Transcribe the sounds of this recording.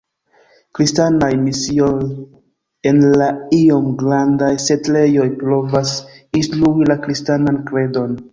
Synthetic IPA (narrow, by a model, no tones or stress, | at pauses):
kɾistanajmisio̞j | e̞nlaio̞mɡɾandajse̞tle̞jo̞jpɾo̞vas | instɾuilakɾistanankɾe̞do̞n